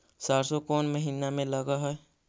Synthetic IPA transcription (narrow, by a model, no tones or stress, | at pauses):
saɾsokoːnməɦinamẽləɡaɦəe